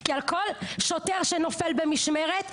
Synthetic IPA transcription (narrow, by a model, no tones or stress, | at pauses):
kialkolʃot̪eʁʃenofelbemiʃmeʁet̪